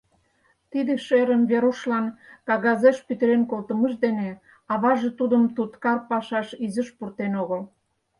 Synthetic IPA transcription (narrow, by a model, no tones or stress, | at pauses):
t̪id̪ĕʃeɾəmβeɾuʃlɑnkɑɣɑzeʃpyt̪əɾenkolt̪əməʃd̪ene | ɑβɑʒet̪ud̪əmt̪ut̪kɑrpɑʃɑʃizəʃpurt̪enoɣəl